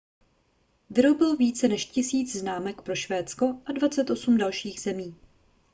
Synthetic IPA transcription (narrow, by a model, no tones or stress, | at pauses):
vɪɾobɪlviːt͡sɛnɛʃcɪsiːd͡zznaːmɛkpɾo̞ʃvɛːt̪t͡sko̞ʔadvat͡sɛt̪ʔosumdalʃiːɣz̥ɛmiː